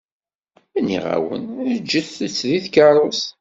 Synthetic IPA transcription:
ænːḭʁa̰wə̰nəd͡ʒːəθət͡sːðiθkɑɾˤos

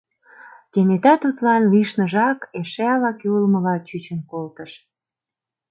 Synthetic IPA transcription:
t̪enet̪ɑt̪ut̪lɑnliʃnəʒɑkeʃeɑlɑkeulməlɑt͡ɕyt͡ɕənkolt̪əʃ

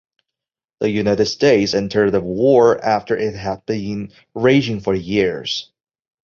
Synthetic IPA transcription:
ðəjʉnaɪɾɨd̥steɪtsɛ̃ntʰə˞əwɔɹæftə˞ʔɪt̚ɦəd̚bĩn | ɹeɪd͡ʒɪ̃ŋfə˞jɪɹz̥

